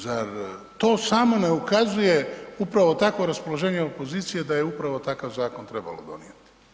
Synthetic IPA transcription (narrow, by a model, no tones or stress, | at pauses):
zaɾt̪o̞ːsaːmo̞ne̞ukazuje̞upɾaʋo̞t̪akʋo̞ɾaspolo̞ʒe̞ːɲeo̞po̞ziːt̪sije̞d̪aje̞upɾaʋo̞t̪akaʋzaːko̞nt̪ɾeba̰lo̰d̪o̞̰nḭjet̪i̥